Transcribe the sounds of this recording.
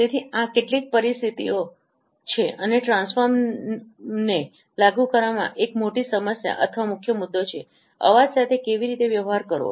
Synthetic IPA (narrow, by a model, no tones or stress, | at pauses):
t̪et̪ʰiãkeʈlik̚pəɾist̪ʰit̪io | t͡ʃʰeəneʈɾãnsfəɾm | ne | laɡukəɾʋamã̰ʔekmoʈisəməsja̰ʔə̰t̪ʰəʋamʊkʰːjəmʊd̪ːot͡ʃʰe | ə̰ʋad͡ʒsat̪ʰekeʋiɾit̪eʋjəʋɦaɾkəɾo̰